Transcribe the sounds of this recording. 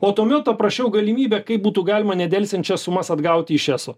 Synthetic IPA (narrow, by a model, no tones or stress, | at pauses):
oːt̪uːmʲɛt̪̚pɐpɾɐʃʲɛʊɡɐlʲɪmʲiːbʲɛkɐɪp̚buːt̪uːɡɑːlʲɪmɐnʲɛd̪ʲɛlʲsʲɛnʲt͡ʃʲɛssʊmɐsɐd̪ɡɐʊt̪ʲɪɪʃʲæːsoː